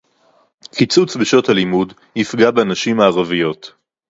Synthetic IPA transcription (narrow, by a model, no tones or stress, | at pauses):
kit͡sut͡sbeʃo̞thalimud | hifɡabeanaʃimaːʁavijo̞t